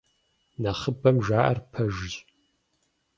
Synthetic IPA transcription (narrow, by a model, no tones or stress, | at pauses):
nɐχəbɐmʒaːʔɐ̰rpʰɐʒɪʑ